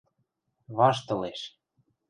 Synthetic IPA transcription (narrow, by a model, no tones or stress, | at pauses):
βɑʃt̪ɤ̆leʃ